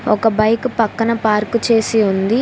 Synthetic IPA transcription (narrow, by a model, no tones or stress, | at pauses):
ɔ̰kɐbɐjkupɐkːɐnɐpaːɾkut͡ʃe̞ːsiund̪i